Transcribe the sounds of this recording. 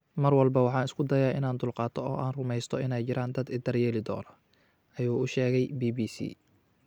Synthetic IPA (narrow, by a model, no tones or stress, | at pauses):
mɐrwɑlbɐwɑħɑːnɪskʰʊd̪ɐjaːʔɪ̰naːnd̪ʊlqɑːt̪ʰɔɔːʔaːnrʊmɛjst̪ʰɔɪnɛjt͡ʃɪɾaːnd̪ɐd̪ɪd̪ɐrjɛːlɪd̪ɔ̰ːnɐ | ʔɐjuːʊʃɛːɣɛjbiːbiːsḭː